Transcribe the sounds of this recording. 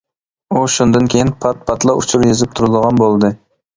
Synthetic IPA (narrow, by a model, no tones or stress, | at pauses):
uʃund̪ɨnkʲʰejinpʰɑt̪̚pʰɑt̪lˠɑut͡ʃʰuɾjezɪp̚t̪ʰuɾɨd̪əʁɑnbolˠd̪ɨ